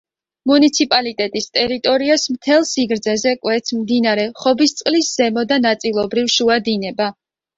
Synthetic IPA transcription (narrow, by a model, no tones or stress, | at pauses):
munit̪sʰipʼalit̪ʼɛt̪ʼist̪ʼɛɾit̪ʼɔɾiasmt̪ʰɛlˠsiɡɾd̪zɛzɛkʼwɛt̪sʰmmd̪inaɾɛχɔbist̪sʼqʼlisz̥ɛmɔd̪anat̪sʼilˠɔbɾivʃuad̪inɛba